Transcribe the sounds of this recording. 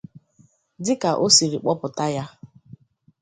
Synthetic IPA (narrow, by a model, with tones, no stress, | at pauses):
dɪ˦ka˨ʔo˦si˨ɾi˨k͡pɔ˦pʊ˨ta˦ja˦